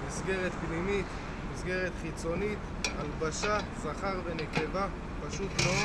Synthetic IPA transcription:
misɡe̞ʁet̪bnimit̪ | misɡe̞ʁet̪χit͡so̞nit̪ | albaʃasaχaʁvene̞ke̞va | paʃut̪lo

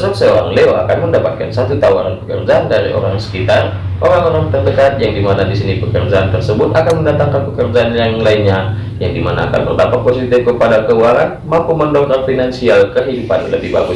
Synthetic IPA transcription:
sɔksəoɾa̰ŋleoa̰kanməndapat̪̚kansat̪ut̪awaɾanpəkə̰rd͡ʒaandaɾḭʔo̰ɾaŋsə̥kit̪arʔoɾaŋoɾaŋt̪ərdəkat̪̚jaŋdimanadisinipəkərd͡ʒaant̪ərsəbʊt̪akanməndat̪aŋkanpəkərd͡ʒaːnjaŋlainɲa | jaŋdimana̰ːka̰nbərdapat̪̚posit̪ɪfkəpadakəualanmampuməndɔŋkanfinansialkəɦidupanləbɪhbaɡʊ

